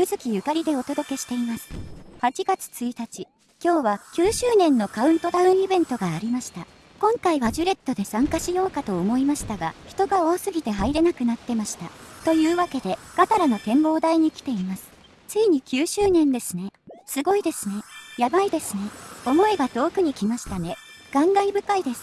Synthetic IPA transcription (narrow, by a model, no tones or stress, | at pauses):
jɯ̟zɨkʲijɯ̟kaɾʲid̪e̞o̞t̪o̞d̪o̞ke̞ɕi̥t̪e̞imasɨ̥hat͡ɕiɡat͡sɨ̥t͡sɨit̪at͡ɕi | kʲo̞ːβakʲɨːɕɨːnẽ̞nːo̞kaɯ̟̃nt̪o̞t̪aɯ̟̃ɰ̃ibẽ̞nt̪o̞ɡaːɾʲimaɕi̥t̪a | kõ̞ŋkaiβaʑɨɾe̞t̪ːo̞d̪e̞sãŋkaɕijo̞ːkat̪o̞ːmo̞imaɕi̥t̪aɡaçi̥t̪o̞ɡao̞ːsɨɡʲit̪e̞ɦaiɾe̞nakɯ̟nat̪ːe̞maɕi̥t̪at̪o̞jɯ̟ːβake̞d̪e̞ɡ̥at̪aɾano̞t̪ẽ̞mbo̞ːd̪aiɲ̟ikʲi̥t̪e̞imasɨ̥ | t͡sɨiɲ̟ikʲɨːɕɨːnẽ̞nd̪e̞sɨne̞sɨɡo̞id̪e̞sɨne̞jabaid̪e̞sɨne̞o̞mo̞iɡat̪o̞ːkɯ̟ɲ̟ikʲimaɕi̥t̪ane̞ | ɡ̥ãŋɡaibɯ̟kaid̪e̞sɨ̥